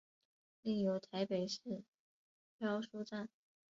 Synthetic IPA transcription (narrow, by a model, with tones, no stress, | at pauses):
li˥˩ŋjo˧˥ʊt̪ʰa˧˥ɪpe˨˩ɪʂɻ̩˥˩ | pʰjɑ˥ʊʂu˥ʈ͡ʂa˥˩n